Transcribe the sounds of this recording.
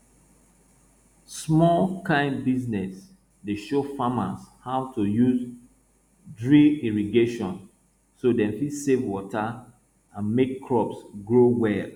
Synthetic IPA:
smɔlkãɪ̃nbiznɛs | deʃofama̰shaʊtʰujuz | dɹiiɹiɡeʃɔ̃n | sodɛ̃mfisevwɔtʰa | ãnmekʰːɹɔpsɡɹowɛl

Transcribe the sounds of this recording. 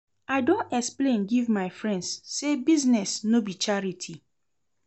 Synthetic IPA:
aɪdõnɛksplẽnɡivmaɪfɹɛ̃ndsːebiznɛsnobit͡ʃaɹitʰi

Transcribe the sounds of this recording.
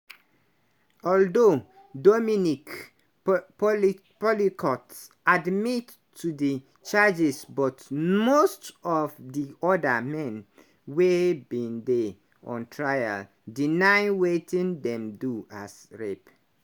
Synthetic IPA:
ɔldo | dominik | p | pɔlikʰɔts | admitʰː | udi | t͡ʃad͡ʒisbɔtmostɔfdiɔdamɛ̃n | webĩnde | ɔ̰̃ntʰɹaja̰l | dinaɪwetĩndɛ̃mdua̰sɹep

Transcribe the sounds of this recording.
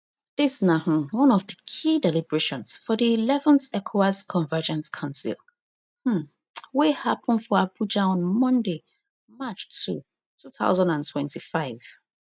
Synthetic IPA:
d̥ɪsnãh̩wɔ̃nɔvdəkʰidɛlibəɹeʃɔ̃nsfɔdiːlɛvə̃nθɛkʰoaskʰɔ̃ɱvɛd͡ʒɛ̃nskʰãʊ̃nsḭlˠ | hm̩ | wehapʰə̃nfɔabud͡ʒaɔ̃nmɔ̃nde | mat͡ʃtʰṵ | tʰuθa̰ʊzãndãntʰwɛ̃ntifaɪv̥

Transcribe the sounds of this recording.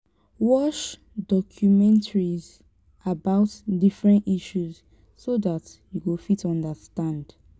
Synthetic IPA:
wɔʃ | dɔkʰjumɛ̃ntʰaɹiz | ʔabaʊtdifɹɛ̃ntiʃuz | soðatjuɡofitʰɔ̃ndəstãnd̥

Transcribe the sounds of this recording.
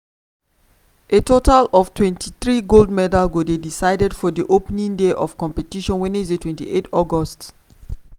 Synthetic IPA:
ʔetotalɔftʰwɛ̃ntʰiθɹiɡoldmɛdalɡodedisaɪdɛdfɔdiʔopnĩŋdeʔɔfkɔ̃mpɛtiʃɔ̃nwɛ̃niizdetwɛ̃ntḭʔetɔɡɔst

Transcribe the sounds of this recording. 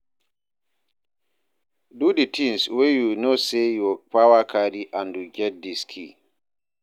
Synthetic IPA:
duditinswejunɔsejɔpawakʰadiʔandud͡ʒɛdːiskʰḭ

